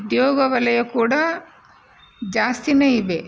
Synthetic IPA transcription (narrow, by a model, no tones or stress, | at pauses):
ud̪jɔːɡɐʋɐlɐjɐkuːɽa | d͡ʒaːst̪ineiʋe